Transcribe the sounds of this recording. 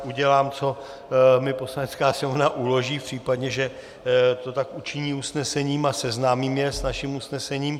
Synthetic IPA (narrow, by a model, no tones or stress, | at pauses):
uɟɛlaːmt͡so̞ | mɪpo̞slanɛt͡skaːsɪmovnaʔulo̞ʒiːpr̝̥iːpadɲɛʒɛ | t̪ot̪akut͡ʃɪɲiːusnɛsɛɲiːmasɛznaːmiːmjɛsnaʃimusnɛsɛɲiːm